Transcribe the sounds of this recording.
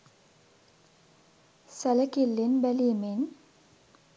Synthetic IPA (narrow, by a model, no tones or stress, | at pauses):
sɐləkilːinbɛlimin